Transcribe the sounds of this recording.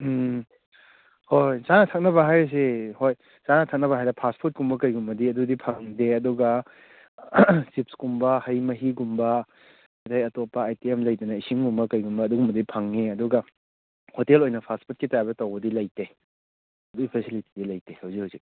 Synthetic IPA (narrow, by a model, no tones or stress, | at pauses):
hojzanɐtʰɐk̚nɐbɐɦajɐs̬ehoj | t͡ʃanɐtʰɐk̚nɐβɐɦajdɐpʰaspʰut̚kumbɐkɐjɡumbɐdiɐdudipʰɐŋdeɐduɡɐ | sipskumbɐhɐjmɐɦiɡumbɐ | atajɐtopːɐːjtiemlɐjdɐnɐisiŋɡumbɐkɐjɡumbɐːduɡumbɐdipʰɐŋːeɐduɡɐ | hotelojnɐpʰaspʰut̚kitajabɐtɐwbɐdilɐjte | duipʰesiliti̥dilɐjtehɐwzikhazik